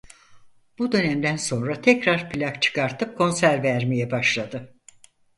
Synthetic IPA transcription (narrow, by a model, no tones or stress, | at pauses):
b̥ud̪ø̞nɛmd̪ænso̞nɾat̪ʰɛcɾaɾpʰilʲakt͡ʃʰɯ̥kaɾt̪ʰɯp̚kʰo̞nsæɾvæɾmijɛbaʃlˠad̪ɯ